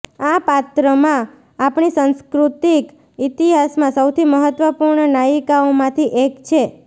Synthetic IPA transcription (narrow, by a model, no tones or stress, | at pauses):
apat̪ɾəmãː | pɳisə̃nskɾut̪ik | it̪iɦasmãsəwt̪ʰiməɦət̪ːʋəpuɾɳənaikaomãt̪ʰiʔekt͡ʃʰe